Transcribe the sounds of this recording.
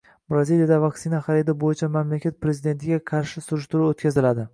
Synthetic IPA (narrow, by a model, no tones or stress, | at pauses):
bɾazilijad̪avakʲsɪnaχɑɾɪd̪abojɪt͡ʃʰamamlakʲat̪̚pɾezɪd̪e̞nt̪ʰɪɡʲaqʰɑɾʃɪsʊɾɪʃt̪ʊɾuot̪kʲʰazɪlad̪ɪ